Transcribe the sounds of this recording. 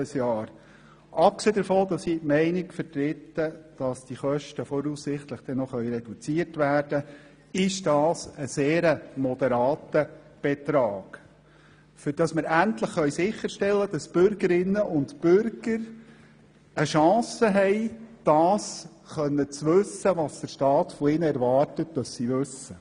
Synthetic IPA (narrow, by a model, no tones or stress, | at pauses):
əsjɑːɾ | ʔɑp̚kseːd̪əɾfɔːd̥̪ɑsitmɛɪnɪkfətɾɪt̪ːəd̥ɑsd̥iχœʃtəfɔɾuːssɪχt̪ləχd̥ɛnɔχœʏɾɛd̥ut͡siətʋæːrd̥ə | ɪʃd̥ɑːsəseːɾəmɔd̥̪əɾɑːtə | b̥ɛt̪ɾɑːɡ̥ | fʏɾd̥ɑsməɾæntləχːœɥsɪχːəɾʃtɛlːədɑsb̥ʏɾɡəɾɪnːəʔʊntb̥ʏɾɡ̥əɾ | əʃɑ̃ːsəɦɛɪd̥ɑːs | χœnːət͡sʋɵsːəʋɑːsd̥̪əɾʃtɑːtfɔɪnəɛɾʋɑːrtətd̥ɑssiʋʉsə